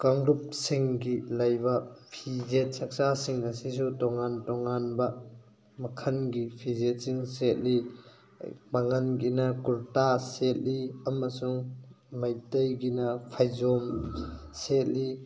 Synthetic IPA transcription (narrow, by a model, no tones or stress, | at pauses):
kɐŋɾup̚siŋɡilɐjbɐpʰizet̚sɐk̚sasiŋɐsis̬utɔŋantɔŋanbɐ | mɐkʰɐnɡipʰizet̚siŋset̚li | mɐŋɐnɡinɐkuɾtaset̚liɐmɐsuŋ | mɐjtɐjɡinɐpʰajzomset̚li